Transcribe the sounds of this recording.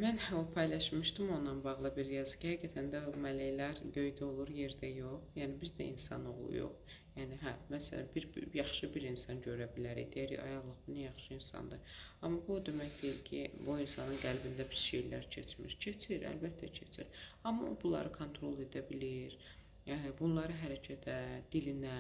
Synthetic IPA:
mænopʰɑjlˠɑʃmɯʃt̪ɯmo̞nːɑnbɑʁlˠɯbiɾjɑzɯ̥cʰihæɡæt̪ʰænd̪æmælejlæɾbø̞jd̪æo̞lˠuɾje̞ɾd̪æjo̞χjæːnibizd̪æ̰ʔḭnsɑ̰no̞̰ʁlˠṵjo̰χ | jæːniɦæmæsælæ̰biɾbjɑχʃɯbiɾinsɑnɟø̞ɾæbilæɾḭjd̪ejæɾḭɑ̰jɑʁlˠɯʁbunæjɑχʃɯinsɑ̰nd̪ɯɑmːɑbud̪e̞mæçd̪e̞jilcʰḭbuinsɑnɯnɡælbind̪æbi̥z̥ʃe̞jlæɾcʰḛt͡ʃmḭɾcʰe̞t͡ʃʰiɾæ̰lbæt̪ʰːæcʰet͡ʃʰiɾɑmːɑ̰bulˠɑ̰ɾɯkʰont̪ʰɾo̞lˠe̞d̪æbiliɾ | bunlˠɑɾɯɦæɾæcʰæt̪ʰæd̪̥ilinæ

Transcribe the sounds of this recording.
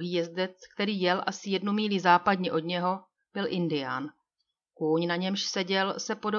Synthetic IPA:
ɦiːjɛzd̪ɛt͡skt̪ɛɾiːjɛlʔasɪjɛdnumiːlizaːpadɲɛʔo̞dɲɛɦo̞ | b̥ɪlʔɪndɪja̰ːn | kuːɲnaɲɛmʃsɛɟɛlsɛpo̞do

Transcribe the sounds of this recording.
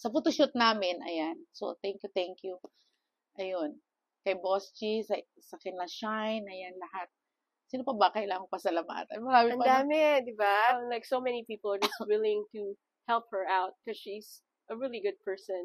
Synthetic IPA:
sɐput̪oʃʊt̪̚naːmɪnɐ̰janso̰t̪ɛŋkjut̪ɛŋkju | ʔɐjon | kɐjbost͡ʃisɐ | sɐkɪnlɐʃajnɐjanlɐhat̪̚ | siːnopɐbɐkɐʔɪlaːŋɐkpɐsɐlɐma̰ːt̪ɐ̰nmɐɾaːmɪɐ̃npɐd̪aːmɛd̪ɪbalajksomɛnipiplˠd͡ʒʌswɪlˠɪ̃ŋt̪u | hɛlˠp̚hə˞aʊt̪̚kɔz̥ʃiz̥ | ʔəɹilˠiɡʊd̪̚pʰɛ˞sɔ̃n

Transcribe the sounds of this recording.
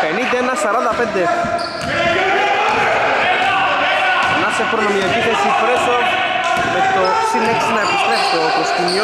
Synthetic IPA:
penind̪ɐenɐsɐɾɐnd̪ɐpend̪e | nɐsefɾonomiepiθesipɾeso | met̪o | sileksinɐepist̪ɾeft̪okɾost̪imio

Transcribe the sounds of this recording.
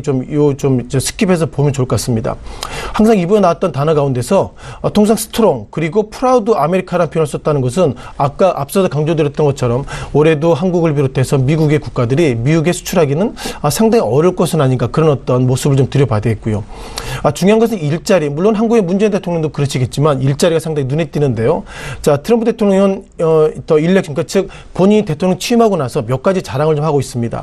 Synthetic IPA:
t͡ɕomjot͡ɕomid͡ʑe̞sʰɯ̥k͈ʰibe̞s̬ʰʌpomjʌnt͡ɕoɭk͈ʌkas͈ɯmɲida̰haŋsʰaŋibuenaat̚t͈ʌntanʌɡaunde̞sʰʌːtʰoŋs̬ʰaŋsʰɯ̥tʰɯɾoŋkɯɾiɡopʰuɾaudɯame̞ɾikʰaɾanpʰjonaɭs͈ʌt̚t͈anɯnɡʌs̬ʰɯnak͈aʔap̚s͈ʌsʰokaŋd͡ʑodeɾjʌt͈ʌnɡʌt̚t͡ɕʰʌɾʌmoɾe̞doɦanɡuɡɯɭp̬iɾotʰe̞sʰʌmiɡuɡe̞kuk̚k͈adɯɾimiuɡe̞sʰu̥t͡ɕʰuɾɦaɡinɯnʌsʰaŋdaŋiʌɾɯɭk͈ʌsʰɯnaɲiɡakɯɾʌnʌt͈ʌnmosɯbɯɭt͡ɕomtɯɾjʌpadɯɡet̚k͈ujo | at͡ɕuŋjɦanɡʌs̬ʰɯniɭt͡ɕ͈aɾimuɭːonɦanɡuɡe̞mund͡ʑe̞inde̞tʰoŋɲjʌŋdokɯɾʌɕʰiɡe̞t̚t͡ɕimaniɭt͡ɕ͈aɾiɡasʰaŋdaŋinune̞t̚t͈inɯnde̞jot͡ɕatʰɯɾʌmpʰude̞tʰoŋɲjʌŋ | ʌt͡ɕʌiɭːekɕ͈ʰik͈at͡ɕɯk̚ | poɲiɲte̞tʰoŋjʌŋit͡ɕʰiimɦaɡonasʰʌmjʌk͈ad͡ʑit͡ɕaɾaŋɯɭt͡ɕomhaɡois͈ɯmɲida̰

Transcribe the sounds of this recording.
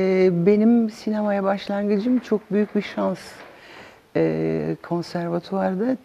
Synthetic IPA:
ɛbe̞nimsinamajabaʃlˠanɡɯd͡ʒɯmt͡ʃʰo̞k̚byjyc̚biʃans | ɛːkʰo̞nsæɾvat̪ʰoaɾd̪a

